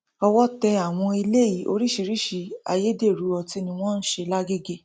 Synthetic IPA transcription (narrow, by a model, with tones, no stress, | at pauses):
ɔ˧wɔ˦tɛ˧a˨w̃ɔ̃˧i˧le˦˨ji˨˦ʔo̰˧ɾi˦ʃi˧ɾi˦ʃi˧a̰˧je˦de˦˨ɾu˨˦ɔ˧ti˧nĩ˧w̃ɔ̃˦n̩˦ʃe˧la˦ɡe˦ɡe˦˨